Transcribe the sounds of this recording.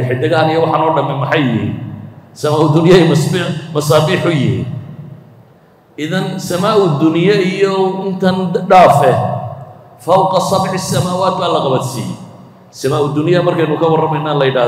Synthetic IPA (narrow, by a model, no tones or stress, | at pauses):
ħɪd̪ɐɣaːnijɔwɑħɑnɔːɖɐmɛmɐħɑjjɪhḭsɐmaːʊd̪ʊnɪjɐmsbmɐsɑːbiːħʊjɪhḭ | ʔɪðɐnsɐmaːʊd̪ʊnɪjɐijɔɪnt̪ʰɐnɖaːfɛ | fɐwqɑsɑbʕɪsɐmaːwaːd̪̚baːlɐqɑβɐd̪sḭːjɛ̰ | sɐmaːʊd̪ʊnɪjɐmɐrkʰɛjnʊkʰɐwɐrɐmɛjnaːlɐjɪɽaː